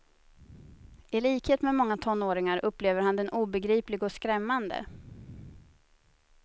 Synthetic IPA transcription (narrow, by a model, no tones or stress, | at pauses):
ʔɪliːkheːt̪mɛmɔŋːat̪ʰɔnːoːɾɪŋaɾʔɵpːleːvəɾhand̪ɛnʔuːbɛɡɾiːplɪɡɔskɾɛmːand̪ə̰